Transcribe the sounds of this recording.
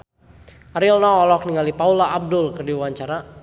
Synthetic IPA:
aɾilnɔːlɔk̚niŋalipaulaːb̚dʊlkərdiwaɲt͡ʃaɾa

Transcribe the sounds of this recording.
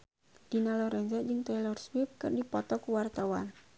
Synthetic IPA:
d̥inalɔɾɛnzad͡ʒɨŋt̪ɛjlɔrswip̚kɨrdipɔt̪ɔkuwart̪awa̰n

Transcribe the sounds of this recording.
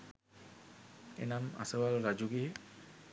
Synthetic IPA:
ḛnama̰səwalɾad͡ʒuɡe

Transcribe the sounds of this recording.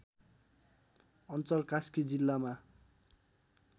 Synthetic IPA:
ʌnt͡sʌlkaskid͡zilːama

